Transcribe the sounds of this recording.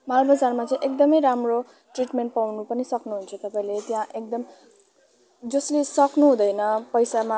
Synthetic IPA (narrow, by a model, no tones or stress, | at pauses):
malbad͡zarmat͡saĩʔekd̪ʌmʌjɾamro | ʈriʈmeɳʈ̚pawnupʌnisʌknuɦunt͡sʰʌt̪ʌpaĩlet̪jãʔekd̪ʌm | d͡zʌslesʌknuɦũd̪ʌjnʌpʌjsama